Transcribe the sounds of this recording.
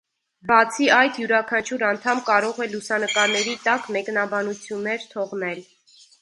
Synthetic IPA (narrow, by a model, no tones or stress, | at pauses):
bɑt͡sʰiɑjt̪juɾɑkʰɑnt͡ʃʰuɾɑnt̪ʰɑmkɑɾɔʁɛlusɑnəkɑɾnɛɾit̪ɑkmɛknɑbɑnut͡sʰjunːɛɾt̪ʰɔʁnɛl